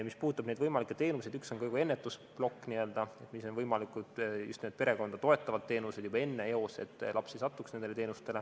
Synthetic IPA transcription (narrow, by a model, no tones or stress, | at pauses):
mispuːt̪ːˑɑb̥ne̞d̪vɤjmɑlikːˑe̥t̪e̞ːnused̪ykso̞nkɤjɡue̞nːet̪ːˑusplo̞kːniø̞ld̪̥ɑe̞t̪miso̞nvɤjmɑlikud̪̥jṵst̪ned̪̥pe̞ɾe̞ko̞nd̪̥ɑt̪o̞e̞t̪ˑːɑvɑd̪t̪̚t̪e̞ːnuse̞d̪jubɑe̞nːe̞eo̞se̞̰t̪ˑːlʔɑpsesɑt̪ːˑuksnend̪elee̞ːnust̪e̞le̞